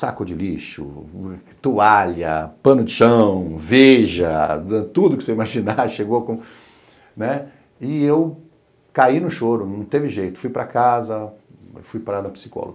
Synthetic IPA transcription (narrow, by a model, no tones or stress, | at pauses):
sakʊd͡ʒɪliʃʊ̰ | t̪uaʎɐ̰pɐ̃nʊd͡ʒɪʃɐ̃w̃veʒɐ̰ɛt̪ud̪ʊkɪ̥seimaʒinaʃeɡokõ | nɛ | ɪew | kainʊʃoɾʊnɐ̃w̃t̪evɪʒejt̪ʊ̥fujpɾɐkazɐfujpɾad̪ɐpi̥si̥kɔ̰lo̰ɡɐ